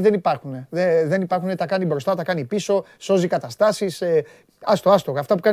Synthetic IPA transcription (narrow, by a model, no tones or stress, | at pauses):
ðenipɐɾxune̞ðeðe̞nipɐɾxunet̪ɐkɐnibɾo̞st̪ɐt̪ɐkɐnipiso̞ | so̞zikɐt̪ɐst̪ɐsise | ɐst̪oɐst̪oɣɐːft̪ɐpukɐ